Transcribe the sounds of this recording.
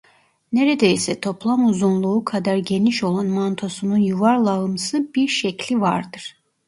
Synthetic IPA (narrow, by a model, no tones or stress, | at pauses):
neɾed̪eisɛt̪ʰo̞plˠamuzunlˠuukʰad̪aɾɟe̞niʃo̞lˠanmant̪ʰo̞sununjuvaɾlˠaɯmsɯbiɾʃɛclʲivaɾd̪ɯɾ̥